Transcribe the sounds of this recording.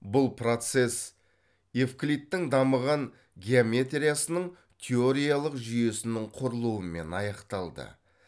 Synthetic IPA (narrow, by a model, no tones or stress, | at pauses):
bʊlˠpro̞t̪se̞s | efklit̪ːɪŋd̪ɑməʁɑŋ | ɡʲeame̞t̪rʲijasənəɴ | t̪ʲʰeo̞ɾijalˠəqʒʏje̞sɪnɪɴqʰʊɾəlˠuwəme̞̰nɑjɑqt̪ɑlˠd̪ə̰